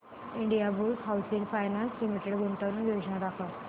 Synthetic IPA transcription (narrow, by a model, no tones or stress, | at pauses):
iɳɖijabulsɦawsiŋfajnanslimiʈeɽɡuɳʈaʋnəʋjod͡ʑnad̪akʰat̪